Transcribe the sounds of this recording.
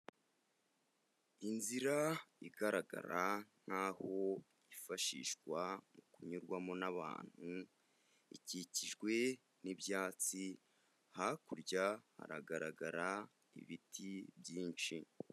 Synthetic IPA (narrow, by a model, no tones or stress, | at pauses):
inziɾaiɡaɾaɡa̰ɾan̥haːho̞ | ifaʃḭʃkwamukuɲuɾɡwamo̞naβa̰ːn̥hu | ḭciciʒɡwe̞ | niβjaːt͡si | hakuɾɟaha̰ɾa̰ɡaɾaɡaɾa | ḭβitʰibjiːnʃi